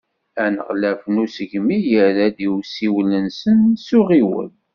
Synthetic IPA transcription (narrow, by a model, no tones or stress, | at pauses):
ænə̰ʁlæfnusəʝmijəðæd̪iwsiwlənsənsuʁiwə̰l